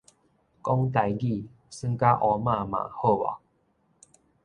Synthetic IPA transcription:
kɔ˦ŋt̪a˨˧jɡi˥˨ | sɨ˥˦ŋka˦ʔɔ˧˦mã˥˧mã̰˨ho˥˧wa̰˨˩

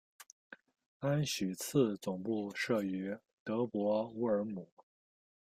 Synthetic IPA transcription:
a˥nɕy˨˩t͡s̩ʰ˥˩t͡sʊ˨˩ŋpu˥˧ʂɤ˥˩y˧˥ | t̪ɤ˧˥pwɔ˧˥u˧˥ə˞˧˥mu˨˩˦

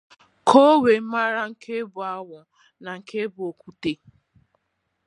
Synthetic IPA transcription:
kʰo˦we˨˦ma˦ɾa˦ŋ̩˨kʰe˦bʊ˨a˦wʊ˨ | na˨ŋ̩˨kʰe˦bʊ˨o˨kʷu˦te˦

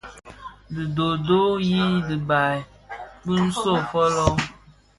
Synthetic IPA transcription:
dɨ˨do˨do˦ji˦dɨ˨ba˨i˨ | bɨ˦n̩˦so˦˨fɔ˦lɔ˦

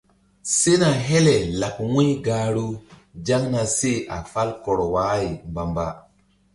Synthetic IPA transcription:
se˦na˨ɦe˦le˨la˨kwũ˦jɡaː˨ɾu˦d͡ʒa˦ŋna˨se˦ʔa̰˨fa˦lkɔ˨ɾɔ˨waː˦ji˨mba˨mba˦

